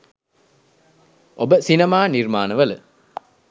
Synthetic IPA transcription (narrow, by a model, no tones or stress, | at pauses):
ʔobəsinɐmaːnirmaːnəʋələ